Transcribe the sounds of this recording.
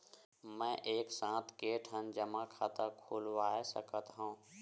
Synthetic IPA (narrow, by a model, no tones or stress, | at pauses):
mɛ̃ːʔeːksãːt̪ʰkeːʈʰɦənd͡ʒəmakʰaːt̪akʰuːlʋaːesə̰kət̪ɦõː